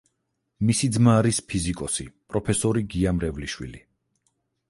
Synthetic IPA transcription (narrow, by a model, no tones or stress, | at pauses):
misid̪zmaːɾispʰizikʼɔsipʼɾɔpʰɛsɔɾiɡiamɾɛvliʃwḭli